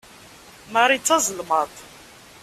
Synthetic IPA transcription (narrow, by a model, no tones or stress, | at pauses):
maɾˤit͡sːɑzˤəlmət̪ˤ